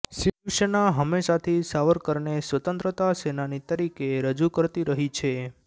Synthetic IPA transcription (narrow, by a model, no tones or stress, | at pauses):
sit͡ʃuʃənaɦəmːeʃat̪ʰisaʋəɾkəɾɳesʋət̪ə̃nt̪ɾət̪asenanit̪əɾikeɾəd͡ʒukəɾt̪iɾəɦit͡ʃʰe